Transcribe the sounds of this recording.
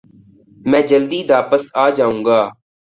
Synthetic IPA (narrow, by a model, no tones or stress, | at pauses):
mɛ̃ːd͡ʒəld̪iːd̪aːpəsaːd͡ʒaːũːŋɡaː